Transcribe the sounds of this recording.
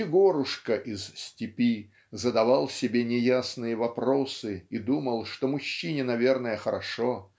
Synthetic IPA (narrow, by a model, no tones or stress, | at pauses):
ɪɡo̞ɾʊʂkəʔɪzsʲtʲɪpʲi | zəd̪ɐvalˠsʲɪbʲenʲɪjasnɨjəvɐpɾo̞sɨid̪uməlˠʂt̪omʊɕːinʲɪnɐvʲe̞rnəjəxəɾɐʂo